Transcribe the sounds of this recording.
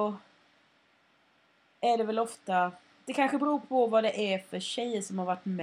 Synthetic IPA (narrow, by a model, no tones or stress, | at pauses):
ɔ | æɖɛvɛlɔft̪a | d̪̥ɛkʰanɧəbɛɾuːɾpʰɔvɑd̪ɛʔæɾfœɕɛjːəʂɔmhaɾvaʈːm